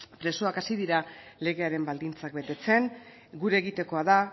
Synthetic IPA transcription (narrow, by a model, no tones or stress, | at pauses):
pɾe̞so̞akasiðiɾale̞ɣe̞aɾe̞mbald̪int͡sak̚be̞t̪e̞t͡se̞ŋ | ɡuɾeɣit̪e̞ko̞aða